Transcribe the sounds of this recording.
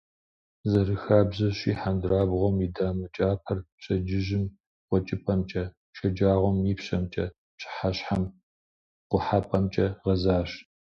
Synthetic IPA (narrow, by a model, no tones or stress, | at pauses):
zɐrɨxaːbʑɐɕiːħandɾaːbʁʷɔmidaːmɨt͡ʃʼaːpʰɐrpɕɐd͡ʒɪʒɪm | qʷɔt͡ʃʼɪpʰɐmt͡ʃʼɐ | ʃɐd͡ʒaːʁʷɔmjipɕɐmt͡ʃʼɐ | ɕʰʼħaɕħam | qʷʊħapʼɐmt͡ʃʼɐʁɐzaːɕ